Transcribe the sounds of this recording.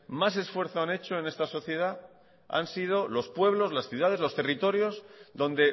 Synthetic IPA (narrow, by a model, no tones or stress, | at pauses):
mas̬e̞sfwe̞ɾθoane̞t͡ʃo̞e̞ne̞st̪aso̞θje̞ða | a̰nsið̞o̞lo̞spwe̞βlo̞zlasθjuð̞aðe̞zlo̞st̪e̞rit̪o̞ɾjo̞zðõ̞nd̪e̞